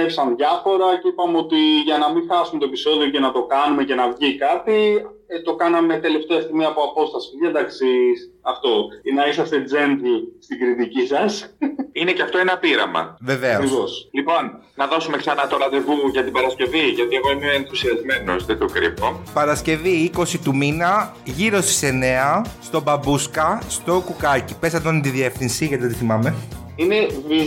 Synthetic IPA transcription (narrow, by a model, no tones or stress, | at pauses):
efisɐnðʝɐfo̞ɾɐceipɐmeo̞t̪iʝɐnɐmiŋxɐsumet̪o̞e̞piso̞ðio̞cenɐt̪o̞kɐnume̞ce̞nɐvʝikɐt̪i | t̪o̞kɐnɐmet̪e̞le̞ft̪eɐst̪imiɐpoɐpo̞st̪ɐsi̥ɐd̪ɐksisɐft̪o̞inɐisɐst̪e̞d͡ze̞nt̪ist̪iɡɾit̪icisɐsine̞ceɐft̪o̞enɐpiɾɐ̰mɐ̰vevekɾivo̞slipo̞nnɐðo̞sumeksɐnɐt̪oɾɐðevuʝɐt̪ibɐɾɐsce̞viʝɐt̪ieɣo̞imeeenθusiɐzme̞nosðet̪okɾḭpo̞pɐɾɐsce̞viiko̞sit̪uminɐ | ʝiɾo̞st̪i̥se̞ne̞ɐst̪o̞bɐbuskɐst̪o̞kukɐcipesɐd̪onit̪iðie̞fθinsiʝɐt̪iot̪iθimɐme̞ | ine̞vi